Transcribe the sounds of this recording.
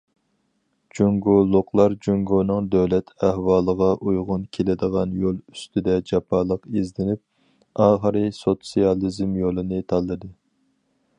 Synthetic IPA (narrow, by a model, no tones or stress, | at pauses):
d͡ʒuŋɡolˠːʊqlˠɑɾd͡ʒuŋɡonɨŋd̪øwlɛt̪ʰæhwɑːlˠəʁɑʔujʁʊnkʲʰelɪd̪əʁɑnjolˠyst̪ɪd̪ɛd͡ʒɑpʰɑːlˠəqezd̪ɪnyp̚ | ɑːχəɾɨsot̪sijɑlˠizmjolˠɨnɨt̪ʰɑlˠːɨd̪ɨ